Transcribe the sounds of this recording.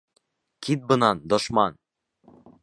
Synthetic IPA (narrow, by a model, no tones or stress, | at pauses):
kʰit̪̚bɤ̆nɑnd̪ŏʃmɑn